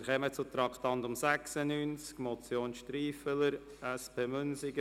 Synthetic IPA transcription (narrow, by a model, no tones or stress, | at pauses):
χɛmət͡sut̪ɾɑktɑntʊmsæksənyːnt͡skmɔt͡sjoːnʃtɾiːfələɾ | ɛspʰeːmʏnsɪɡə